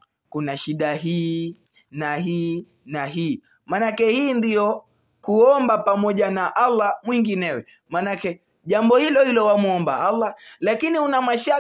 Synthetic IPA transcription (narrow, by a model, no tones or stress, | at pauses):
kunaʃiɗaɦiː | naɦiː | naɦiː | manakɛhiːndijɔ | kuɔmbapamɔʄanaʔalːamwiŋɡinɛwɛ | manakɛ | ʄambɔhilɔhilɔwamuɔmba̰alːalakiniunamaʃa